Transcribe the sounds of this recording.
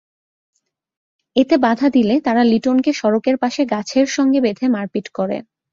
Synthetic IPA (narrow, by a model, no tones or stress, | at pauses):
et̪ebad̪ʱad̪ilet̪aɾaliʈonkeʃɔɾokeɾpaʃeɡat͡ɕʰeɾʃɔŋɡebed̪ʱemaɾkiʈkoɾḛ